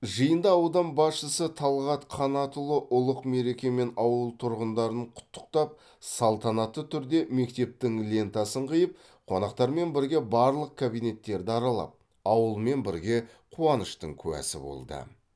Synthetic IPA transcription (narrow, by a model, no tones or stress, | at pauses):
ʒəjənd̪ɑɑwd̪ɑmbɑsʃəsət̪ʰɑlˠʁɑt̪qʰɑnɑt̪əlˠəʔʊlˠəqme̞ɾe̞kʲe̞me̞nɑwəlˠt̪ʰʊɾʁənd̪ɑɾəɴqʰʊ̥t̪ʰːə̥q̚t̪ɑp̚ | sɑlˠt̪ɑnɑt̪ːət̪ʰʏɾd̪e̞me̞kt̪e̞p̚t̪ɪŋlʲe̞nt̪ɑsəɴqʰəjəp̚ | qʰo̞nɑqt̪ɑɾme̞nbɪɾɡʲe̞bɑɾlˠəq̚kʰabijne̞t̪ːe̞ɾd̪ɪɑɾɑlˠɑ̰p̚ | ɑwəlˠme̞nbɪɾɡʲe̞ | qʰuɑnəʃt̪ə̰ɴkʲʰʉwæ̰sɪ̰bo̞̰lˠd̪ə̰